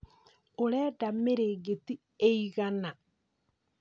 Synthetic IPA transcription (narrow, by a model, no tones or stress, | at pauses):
oɾɛdameɾeːɣeti | eiɣana